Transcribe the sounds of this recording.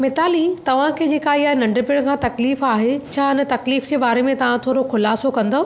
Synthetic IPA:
mɪt̪aːlit̪ɐʋ̤ãkʰeːd͡ʑeːkaːiaːɦenɐ̃ɳɖpɪɽ̃kʰãːt̪ɐkliːfaːɦet͡ɕʰaːɦɪnə̆t̪ɐkliːfd͡ʑeːbaːɾemẽt̪ɐʋ̤ãt̪ʰoːɾokʰʊlaːsokɐ̃nd̪o

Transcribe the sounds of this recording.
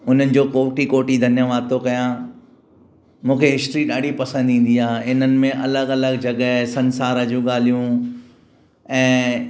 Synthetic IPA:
ʊn̤ənɪ̆d͡ʑoːkoːʈikoːʈid̪ʱɐnjəʋaːd̪̚t̪ʰokɐjã | mũːkʰeɦɪsʈɾiɗaːɖʱipɐsə̃nd̪ĩːn̆d̪iaːɦɪn̤ənɪ̆mẽʔɐləɡɐləɡd͡ʑɐɠəɦsɐ̃nsaːɾəd͡ʑũɠaːl̤ijũ | ɛ̃ː

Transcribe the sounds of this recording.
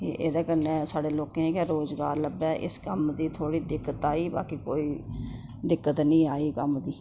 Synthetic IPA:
eːʔḛːd̪ãːkənẽːsaːɖeːloːkẽːkaːɾoːzɡa̰ːɾləbɛːʔɪ̰skəmd̪iːt̪ʰoːɽiːd̪ɪkːət̪aːiːba̰ːkiːko̰ːiː | d̪ɪkːət̪nĩːaːiːkəmd̪iː

